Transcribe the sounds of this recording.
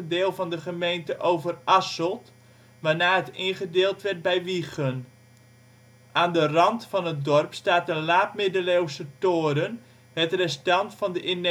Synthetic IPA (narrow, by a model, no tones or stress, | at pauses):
əndɪːlˠvɑndəχəmejntəʔowvərʔasəlˠt | ʋaːnaːɦətɪnχədeːlˠtʋɛrt̚bɛjʋiχən | ʔaːndərɑntfɑnət̚dɔrpstaːtəlaːp̚mɪdəlowsətoːɾən | hɛtrɛstɑntfɑndəʔɪn